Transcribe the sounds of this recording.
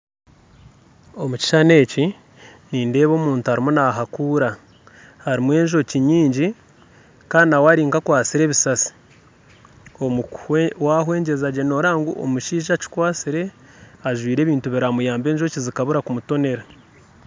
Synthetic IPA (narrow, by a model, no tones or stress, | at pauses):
o̞muci̥ʃane̞ːci | niːnde̞ːβo̞ːmuːntuhaɾimunaɦakuːɾa | haɾimwe̞ːɲʒo̞ciɲiːɲɟi | kaːɾinawaɾiːŋkakwaːt͡siɾe̞ːβisasi̥ | omuwaɦwe̞ːɲɟe̞zaɟe̞no̞ɾaːŋɡṵʔo̰muʃiːʒaci̥kwaːt͡siɾe̞ | aʒwiːɾe̞ːβiːntuβiɾamujaːmbe̞ːɲʒocizikaβuɾakumuto̞ne̞ɾa